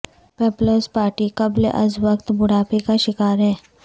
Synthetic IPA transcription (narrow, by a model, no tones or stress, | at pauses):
pɛːploːspaːɾʈikɐblḛʔɐ̰zʋɐkt̪bʊɽaːpekaʃɪkaːɾɦɛː